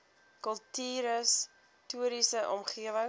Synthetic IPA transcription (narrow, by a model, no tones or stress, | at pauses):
kəlˠtiːɾəs | tuəɾisəʔɔmχiəvəŋ